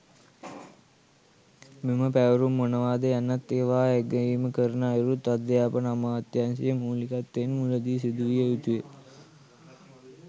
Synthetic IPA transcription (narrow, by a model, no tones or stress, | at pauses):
mimɐpeːʋɐɾumːunɐʋaːd̪ɐjɐnːɐt̪ːeːʋaːeɡɐjiːmɐkɐɾnaːiɾut̪ɐd̪jaːpɐnɐmaːɐt̪jansijɐmuːlikat̪ːeːnmulɐd̪isid̪uʋijɐut̪ue